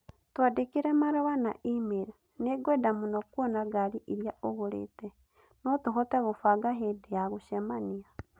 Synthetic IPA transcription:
twadekiɾɛmaɾɔwana̰ʔimeɾ | neɡwɛdamunɔkwɔnaɡaɾiʔiɾjaʔoɣoɾḛːtɛ | nɔtoɦɔtɛɣofaɡaɦedeaɣoʃɛmania

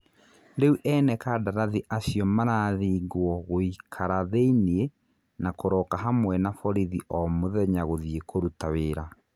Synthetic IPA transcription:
ɾeuʔɛnɛkadaɾaðiʔasiɔmaɾaːðiɡwɔɣoikʰaɾaðeinie | nakoɾɔkaɦamwɛnafɔɾiðiʔɔmoðɛɲaɣoðiekʰoɾutaweɾa

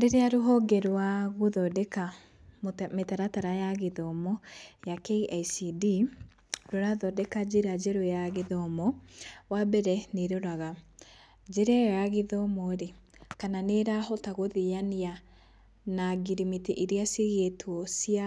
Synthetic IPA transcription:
deɾeaɾoɦɔɡɛɾwaɣoðɔdɛka | mometaɾataɾajaɣeðɔmɔjakeaisidi | ɾoɾaðɔdɛkad͡ʒeɾad͡ʒɛɾojaɣeðɔmɔwabɛɾɛneɾoɾaɣa | d͡ʒeɾɛjaɣeðɔmɔɾe | kananeɾahɔtaɣoðijania | naɡiɾimiteʔeɾiaseɣetʰwɔsia

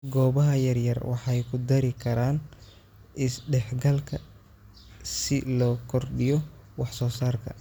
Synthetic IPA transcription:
ɡɔːβɐɦɐjɐrjɐrwɑħɑjkʰʊd̪ɐɾɪkʰɐɾaːn | ɪsɖɛħɡɐlkʰɐ | sɪlɔːkʰɔrɖɪjɔ | wɑħsɔːsaːrkʰɐ̰

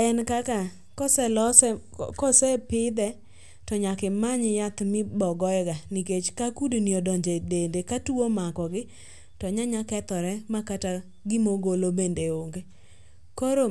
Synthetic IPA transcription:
ɛnkaka | kɔsɛlɔsɛ | kɔsɛpɪd̪ɛ | tɔɲakɪmaɲjat̪mɪbɔɡɔɡaniket͡ʃkakudniɔdɔɲd͡ʒedendekatuomakɔɡɪ | tɔɲaɲakɛt̪ɔɾɛmakata | ɡɪmoɡolobendeoŋɡe | koɾo

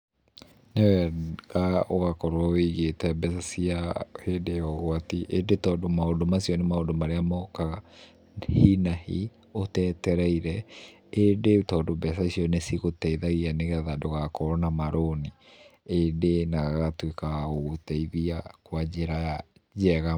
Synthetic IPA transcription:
newɛɣaoɣakɔɾwaweɣetɛbɛsasiahedeɔɣwatiʔedetɔːdomaodomasiɔnemaodomaɾeamɔkaɣa | hinahḭ | otɛtɛɾɛiɾɛ | edetɔːdobɛsaisiɔnesiɣotɛiðaɣianeɣɛðadoɣakɔɾɔnamaɾʔoniedenaɣaɣatwekaoɣotɛiðiakwad͡ʑeɾaad͡ʒɛɣa

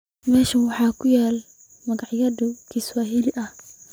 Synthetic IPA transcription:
mɛːʃɐwɑħɑːkʰʊjɛːl | mɐɣɑʕɪjɐðʊkʰiswaːɦilɪʔɐh

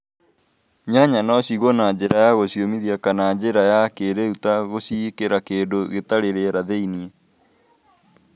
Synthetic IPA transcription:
ɲaɲanɔɕiɣonaɲd͡ʑeɾajaɣoɕiomiðiakanad͡ʒeɾajakeɾeutaɣosikeɾakeːndoɣetaɾeɾeɾaðeinie

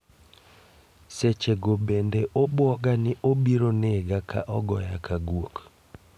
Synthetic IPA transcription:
set͡ʃeɡobendeʔobwɔɡanɪʔobiɾoneɡakʰa̰ʔɔɡɔ̰jakʰaɡwok

